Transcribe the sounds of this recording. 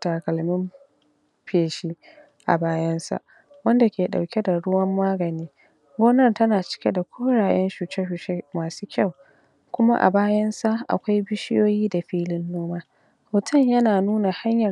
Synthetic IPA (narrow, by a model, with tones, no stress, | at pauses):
tɐ˨kɐ˨lmɪ˦m | ɸeː˨ʃiː˦ | ʔa̰˨baː˦jɐ˦nsa̰˨ʔ | wɐ˦nda˨kʲeː˨ɗa˨wkʲe˦da˨ɽʊ˦wɐ˦mːaː˦ɡɐ˨niː˦ | ɡʷoː˦nɐ˦rtɐ˦naː˨t͡ʃɪ̥˦kʲe˦da˨kʷʰoː˦ɽaː˨j̰ɐ˦nʃu˨t͡ʃe˦hʊ˨t͡ʃe˦maː˨suː˦kʲɐ˦˨w | kʷʊ˦ma̰˦ʔa̰˨baː˦jɐ˦nsa˦ʔa̰˨kʷa˦jbɪ˦ʃɪ˦joː˦jiː˦da˨ɸiː˦lɪ˦nːoː˦maː˦ | hoː˨tʰɐ˦˨ɲjɐ˦naː˨nuː˦na˨ha˦ɲjɐ˨